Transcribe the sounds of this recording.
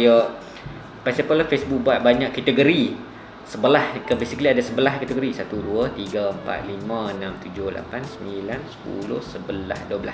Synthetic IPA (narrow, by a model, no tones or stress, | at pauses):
jə | pasipəlafesbuk̚buat̪̚baɲãʔkːat̪əɡoɾi | səbəlahkəbesikəliadasəbəlahkat̪əɡoɾisat̪uduət̪iɡaəmpa̰t̪̚limãənãmt̪ud͡ʒʊhlʔa̰pansəmilansə̥pṵlʊ̰hsəbəla̰hduəbəla